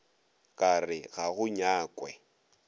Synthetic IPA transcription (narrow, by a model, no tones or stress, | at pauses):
kʼarɪɣaɣʊɲaːkʼwɛ